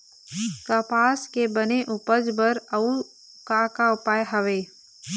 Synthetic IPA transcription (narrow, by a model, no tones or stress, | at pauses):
kapaːskebəneʔʊpəd͡ʒbəɾɐu | kakaʊpaːjɦəʋeː